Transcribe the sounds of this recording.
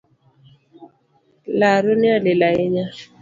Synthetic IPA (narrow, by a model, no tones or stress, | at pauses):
laɾonialɪlaɛɲa